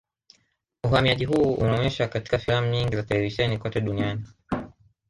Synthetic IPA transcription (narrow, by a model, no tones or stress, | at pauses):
uhamiaʄiɦuːṵnaɔɲɛʃakati̥kafilamuɲiŋɡizatɛlɛviʃɛnikɔtɛɗuniani